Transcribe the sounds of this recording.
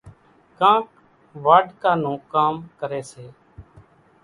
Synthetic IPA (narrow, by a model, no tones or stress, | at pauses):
kãːk | ʋaːɖʱkaːnũːkaːmkəɾeːseː